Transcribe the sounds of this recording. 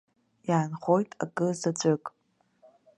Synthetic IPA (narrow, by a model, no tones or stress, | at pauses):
jaːnχojtʼa̰kʼɨzat͡ɕʷʼɨkʼ